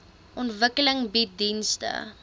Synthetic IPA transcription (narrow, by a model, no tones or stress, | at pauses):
ʔɔntvəkələŋbit̚dinstə̰